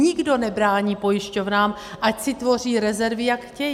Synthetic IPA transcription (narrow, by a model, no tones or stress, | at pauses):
ɲɪɡdo̞nɛbɾaːɲiːpo̞jɪʃco̞vnaːm | ʔacsɪt̪vo̞r̝iːɾɛzɛɾvɪjakxcɛj